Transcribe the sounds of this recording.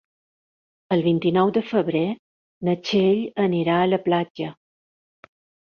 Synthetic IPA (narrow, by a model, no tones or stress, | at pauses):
əlˠβint̪inɔwd̪əfəβɾe | nət͡ʃeʎəniɾaələplad͡ʒə